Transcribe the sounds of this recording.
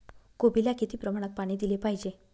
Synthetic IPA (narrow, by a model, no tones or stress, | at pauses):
kobilakit̪iːpɾəmaɽ̃ək̪̚paɽ̃iːd̪ilepaɦid͡ʑe